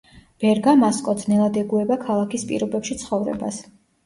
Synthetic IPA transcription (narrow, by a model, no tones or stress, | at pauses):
b̥ɛɾɡamaskʼɔd̪znɛlˠad̪ɛɡuɛbakʰalˠakʰispʼḭɾɔbɛpʃit̪sʰχɔvɾɛ̰ba̰s